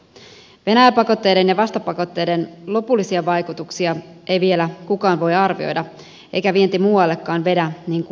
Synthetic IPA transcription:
ʋe̞næjæpɑko̞t̪ːe̞jde̞njɑʋɑst̪ɑpɑko̞t̪ːe̞jde̞nlo̞pulːisiɑʋɑjkut̪uksiɑʔe̞jʋie̞lækukɑːnʋo̞jɑrʋḭo̞̰jdɑ | ʔe̞̰jkæʋie̞nt̪imuːwɑlːe̞kːɑːnʋe̞dæniːŋk

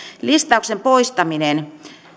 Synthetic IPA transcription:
list̪ɑuksempoist̪ɑminen

